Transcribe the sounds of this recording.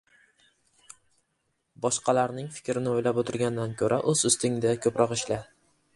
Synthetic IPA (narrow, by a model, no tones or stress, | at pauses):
bɒʃqɑlaɾnɪŋfɪ̥kʲɾɪnɪojlapot̪ʰɪɾɡʲand̪ankʲʰɵɾʔaʔɵz̥ʊst̪ɪŋd̪akʲʰɵpɾʔɒqɪʃlɪ